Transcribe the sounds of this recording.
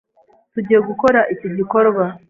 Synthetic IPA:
tuɟieɡuko̞ɾaʔiciɟiko̞ɾɡa

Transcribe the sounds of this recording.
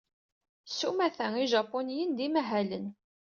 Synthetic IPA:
sumæθæŋiʒɑpːonijənd̪imæɦælən

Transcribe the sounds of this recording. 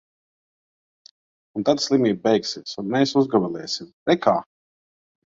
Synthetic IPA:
unt̪ad̪slˠimiːb̚bɛjksiɛsunmɛːsuzɡamɛlʲˠɛːsimɾɛkʰaː

